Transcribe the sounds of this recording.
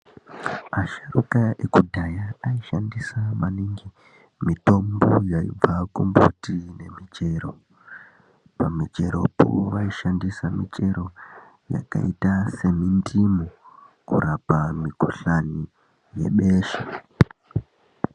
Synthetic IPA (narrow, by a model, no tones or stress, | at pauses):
aʃarukaʔekudʱajaːiʃandisamaniŋɡi | mito̞mbojaḭb͡vakumbo̰tine̞mit͡ʃe̞ɾo̞ | pamit͡ʃe̞ɾo̞̰po̰ʋaiʃandisamit͡ʃe̞ɾo̞ | ja̰ka̰itase̞mindimo | kurapamikoɬani | je̞̰ɓe̞ːʃe